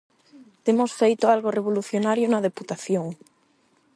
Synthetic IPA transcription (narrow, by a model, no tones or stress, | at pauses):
t̪emosfejt̪oalɣoreβ̞oluθjonaɾjonað̞eput̪aθjoŋ